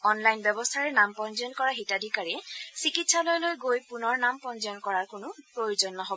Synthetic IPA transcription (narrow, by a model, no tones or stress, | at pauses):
ɔnlajnbjɛbɔstʰaɹɛnampɔnzɔɔnkɔɹaɦitadikaɹɛsikitsalojlojɡojpunɔɹnampɔnzɔɔnkɔɹaɹkʊnʊpɹojuzɔnːɔɦɔbɔ